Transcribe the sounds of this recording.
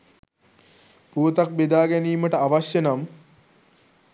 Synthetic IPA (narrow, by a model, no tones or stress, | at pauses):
puːt̪ak̚bed̪aːɡæniːməʈəaʋaɕjenam